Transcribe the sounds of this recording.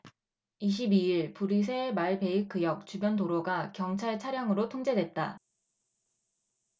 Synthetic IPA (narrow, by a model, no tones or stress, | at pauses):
iɕ̬ʰibiiɭpuɾis̬ʰe̞maɭpe̞ikʰːɯjʌk̚t͡ɕubjʌntoɾoɡakjʌŋt͡ɕʰaɭt͡ɕʰaɾjaŋɯɾotʰoŋd͡ʑe̞dwe̞t̚t͈a